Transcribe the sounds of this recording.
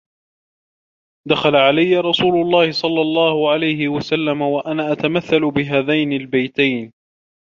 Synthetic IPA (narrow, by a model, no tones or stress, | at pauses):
d̪axalaʕalajːaɾˤɑsuːlʊlˤːɑːhɪsˤɑlːɑlˤːɑːhʊʕalajhɪwasalːamawaʔanaːʔat̪amaθːalʊbɪɦaːðajnɪlbajt̪ajn